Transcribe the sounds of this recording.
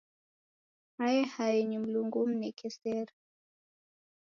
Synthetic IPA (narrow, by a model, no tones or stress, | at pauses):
hajɛhajɛɲim̩luŋɡum̩nɛkʰɛsɛɾ